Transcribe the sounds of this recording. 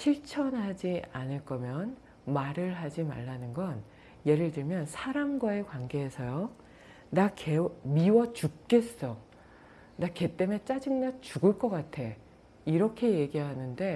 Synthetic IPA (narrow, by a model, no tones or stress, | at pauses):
ɕʰiɭt͡ɕʰʌnɦad͡ʑianɯɭk͈ʌmjʌn | maɾɯɭɦad͡ʑima̰ɭːanɯnɡʌn | je̞ɾɯɭtɯɭmjʌnsʰaɾamɡwae̞kwanɡe̞ɦesʰʌjo | nakemiwʌt͡ɕuk̚k͈e̞s͈ʌ | nake̞t͈e̞me̞t͡ɕ͈ad͡ʑɯŋnat͡ɕuɡɯɭk͈ʌk͈atʰe̞ | iɾʌkʰe̞je̞ɡiɦanɯnde̞